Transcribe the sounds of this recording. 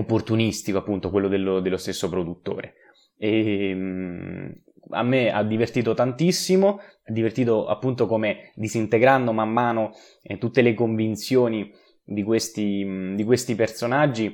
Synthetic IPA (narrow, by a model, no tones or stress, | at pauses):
opːort̪unist̪ikoapːunt̪okwelːod̪elːod̪elːost̪esːopɾod̪ut̪ːo̰ːɾe | e | a̰mːea̰d̪ːivert̪iːt̪ot̪ant̪isːimo | ad̪ːivert̪iːt̪oa̰pːunt̪okomed̪izint̪eɡɾand̪omamːaːno | t̪ut̪ːelekoɱvint̪sjoːni | d̪ikwest̪id̪ikwest̪ipersonad͡ʒːi